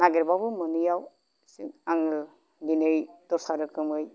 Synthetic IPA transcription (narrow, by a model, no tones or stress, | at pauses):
naɡiɾbabɯmɯnɯjaw | siŋaŋɯl | ɡinɯjtɔɾsaɾɯkɯmɯj